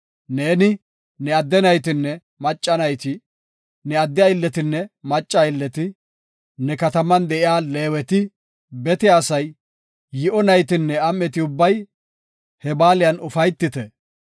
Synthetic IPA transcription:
ne̞ːnɪ | nɛɐd̪ːɛnɐjt̪ɪnːɛ | mɐt͡ʃʼːɐnɐjt̪ɪ | nɛɐd̪ːɪjaɪlːɛt̪ɪnːɛmɐt͡ʃʼːaɪlːɛt̪ɪ | nɛkɐt̪ɐmɐnd̪ɛʔɪjaːle̞ːwɛt̪ɪ | bɛt̪ɪjasɐjː | ɪʔɔnɐjt̪ɪnːɛɐmːɛt̪ɪʊbːɐj | hɛbaːlɪjɐnʊfɐjt̪ːɪt̪ɛ

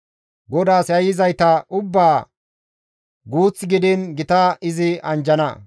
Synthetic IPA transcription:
ɡɔd̪aːsjɐjɪzɐjt̪ɐʔʊbːaː | ɡuːt͡sːɪɡɪd̪ɪnɡɪt̪ɐɪzɪɐnd͡ʒɐnɐ

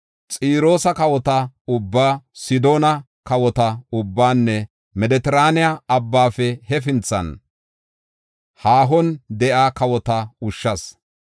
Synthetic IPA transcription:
t͡sʼiːɾo̞ːsɐkɐwɔt̪ɐʊbːaːsɪd̪o̞ːnɐ | kɐwɔt̪ɐʊbːaːnːɛ | mɛd̪ɛt̪ɛɾaːnɪjaɐbːaːfɛhɛfɪnt͡sːɐ̰n | haːɦɔnd̪ɛʔaːkɐwɔt̪ɐʊʃːɐs

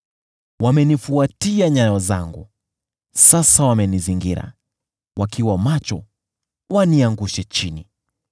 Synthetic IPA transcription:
wamɛnifuatiaɲajɔzaŋɡu | sasawamɛniziŋɡiɾa̰ | wakʰiwamat͡ʃɔ | waniaŋɡuʃɛt͡ʃini

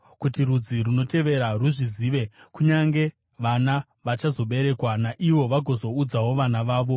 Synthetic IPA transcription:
kutirud͡ziruno̞te̞ʋe̞ɾaruʐiziːʋe̞kuɲaŋɡe̞ | ʋana | ʋat͡ʃazo̞ɓe̞ɾe̞kwanaʔiʋo̞ʋaɡʱo̞zo̞ud͡zaɦo̞ʋanaʋaːʋo̞

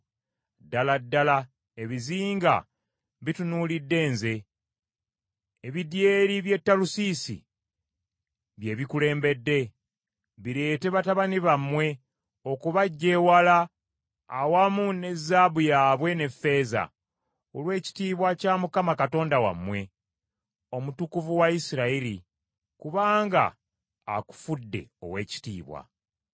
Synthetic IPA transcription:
dːaladːala | e̞βiziːŋɡa̰ | βitunuːlidːe̞ːnze̞ | eβidjeːɾiβje̞tːalusiːsḭ | βje̞βikule̞ːmbe̞dːe̞ | βiɾe̞ːte̞βataβaniβamwe̞ | o̞kuβaɟːe̞ːwalaː | wamune̞zːaːβujaːβwe̞ne̞fːe̞ːza̰ | olwe̞ːci̥tiːβwacaːmukamakato̞ːndawa̰mwe̞ | o̞mutukuvuwaisiɾaili | kuβaːŋɡa̰ː | ku̥fudːe̞̰o̞̰we̞ːci̥tḭːβwa̰

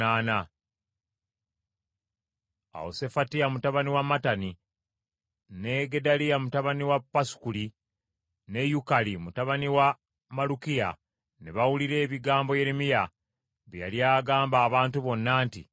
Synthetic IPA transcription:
aːna | a̰wo̰se̞fatiamutaβaniwamatani | ne̞ɡe̞dalijamutaβaniwapːasu̥kuli | ne̞jukalimutaβaniwa | malukija̰ | neβawuliɾe̞ːβiɡaːmbo̞jeɾemija | βjja̰ljaːɡaːmbaːβaːntuβo̞nːaːntḭ

